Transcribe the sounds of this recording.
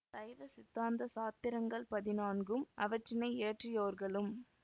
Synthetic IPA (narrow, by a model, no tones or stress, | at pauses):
d̪ɐɪʋɐsɪt̪ːaːnd̪ɐsaːt̪ːɪɾɐŋɡɐɭpɐðɪnaːnɡɯmʔɐ̰ʋɐʈrɪnɐɪeːʈrɪjoːɾɣɐɭɯm